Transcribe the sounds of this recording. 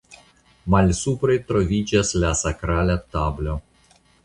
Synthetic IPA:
malʲsupɾejt̪ɾovʲid͡ʒaslasakɾalʲat̪ablo

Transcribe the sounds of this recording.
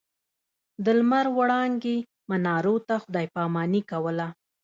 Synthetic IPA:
d̪əlmaɾwaɽɑŋɡe | manɑɾot̪axʊd̪ɑjpɑmɑnikawəla

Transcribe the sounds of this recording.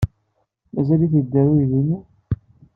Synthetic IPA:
mæzæliθəd̪ːæɾujðinːi

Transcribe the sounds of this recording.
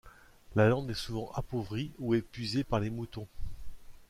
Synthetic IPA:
lalɑ̃d̪ɛsuvɑ̃ʔapovʁiuɛpɥizepaʁlemut̪ɔ̃

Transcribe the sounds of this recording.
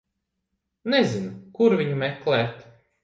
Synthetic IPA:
nɛzinukuɾvʲiɲumɛklˠɛːt̪

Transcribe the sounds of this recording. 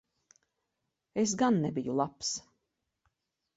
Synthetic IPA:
es̬ɡanːebijulˠaps

